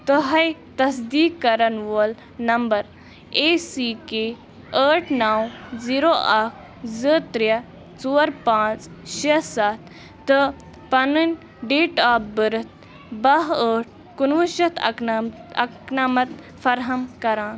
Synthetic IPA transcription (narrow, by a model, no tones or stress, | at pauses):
t̪ɨɦɐjt̪ɐsd̪iːkːɐɾɐnʋoːl | nɐmbɐɾ | eːsiːke | əːʈʰnawziːɾoːʔɐkʰ | zəːt̪ɾjɐ | t͡suːɐɾpãːt͡s | ʃesaːt̪̚ʰ | t̪ɨ | pɐnunʲ | ɖeːʈaːpbəɾɨt̪̚ | bɐɦəːʈ̚ʰ | kunʋuʃɐt̪ʰ | ɐ̰knaːmɐt̪ | fɐɾɦɐmkɐɾãːn